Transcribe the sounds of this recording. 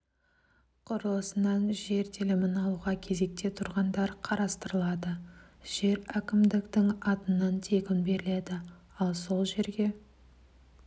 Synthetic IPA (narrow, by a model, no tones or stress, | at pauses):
qʰʊɾəlˠəsənɑnʒe̞ɾt̪ʰelɪmɪnɑlˠuʁɑkʲʰe̞ze̞k̚t̪e̞t̪ʰʊɾʁɑnd̪ɑɾqʰɑɾɑst̪əɾəlˠɑd̪əʒ̥e̞ɾækʲɪmd̪ɪkt̪ɪŋɑt̪ənɑnt̪ʰe̞ɡʲɪnbe̞ɾɪle̞d̪ɪ | ɑlˠso̞lˠʒe̞ɾɡʲe̞